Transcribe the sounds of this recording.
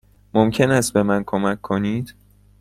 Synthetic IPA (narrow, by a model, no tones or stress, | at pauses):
momcʰe̞næst̪̚be̞mænkʰomæcʰːo̞niːd̪̥